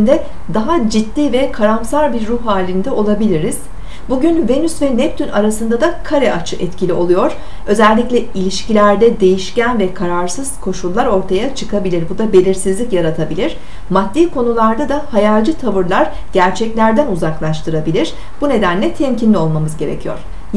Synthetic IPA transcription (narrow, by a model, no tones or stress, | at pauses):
nd̪ɛ | d̪aɦad͡ʒit̪ːiːvɛkʰaɾamsaɾbiɾːuhːaːlʲind̪ɛo̞lˠabilʲiɾiz̥ | buɟynve̞nysvɛnɛp̚t̪ʰynaɾasɯnd̪ad̪akʰaɾɛʔat͡ʃʰɯʔɛt̪cʰilʲio̞lˠujo̞ɾ̥ | ø̞zælʲːicʲlʲɛilʲiʃcilʲæɾd̪ɛd̪e̞jiʃcænvɛkʰaɾaɾsɯz̥kʰo̞ʃulˠːaɾo̞ɾt̪ʰajat͡ʃʰɯkʰabilʲiɾbud̪abe̞lʲiɾsizlʲicjaɾat̪ʰabilʲiɾ̥ | mat̪ːiːkʰo̞nulˠaɾd̪ad̪ahajalʲˠd͡ʒɯt̪ʰavɯɾlˠaɾ | ɟ̥æɾt͡ʃʰɛclʲæɾd̪ænuzaklˠaʃt̪ʰɯɾabilʲiɾ̥ | b̥une̞d̪ænlʲɛt̪ʰɛmcinlʲio̞lˠmamɯzɟe̞ɾḛcʰijo̰ɾ̥